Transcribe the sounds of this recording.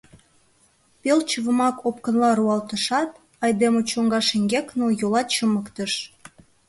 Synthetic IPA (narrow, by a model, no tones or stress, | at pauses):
pelt͡ɕəβəmɑkop̚kənlɑɾuɑlt̪əʃɑt̪ | ɑjd̪emot͡ɕoŋɡɑʃeŋɡʲeknojolɑt̪t͡ɕəməkt̪əʃ